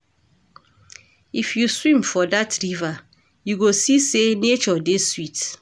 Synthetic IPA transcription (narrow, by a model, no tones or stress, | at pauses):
ifjuswĩmfɔdatʰɹiva | juɡosisenet͡ʃɔdeswit